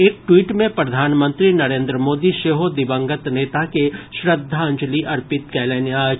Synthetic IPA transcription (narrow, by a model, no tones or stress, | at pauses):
eːk̚ʈwiːʈmẽpɾɐd̪ʱaːnmə̃nt̪ɾinɐɾẽːnd̪ɾəmoːd̪iʃeːɦod̪ɪbə̃ŋɡət̪neːt̪akeʃɾəd̪ʱːaɐ̃ɲd͡ʒəliʔɐɾpɪt̪kɛːleːnija